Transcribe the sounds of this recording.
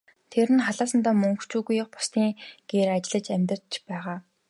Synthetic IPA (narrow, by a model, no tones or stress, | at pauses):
t̪ʰeɾɘ̆nχaɮaːsə̆nt̪aːmɵŋkt͡ɕuːɣujə̆χpʊ̥st̪iːŋɡ̥eːɾat͡ɕɪ̆ɮə̆t͡ɕæmʲt̪ə̆r̥t͡ɕpæːʁaː